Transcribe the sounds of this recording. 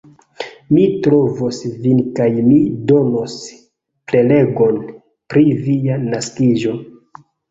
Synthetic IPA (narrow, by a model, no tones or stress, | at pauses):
mitɾo̞vosvinkajmido̞nos | ple̞le̞ɡo̞n | pɾivijanaskiʒo̞